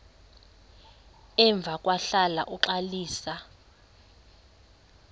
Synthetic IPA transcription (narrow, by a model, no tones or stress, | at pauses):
ɛɱb̪vʱakʼwaɬala̰ʔuǁaliːsa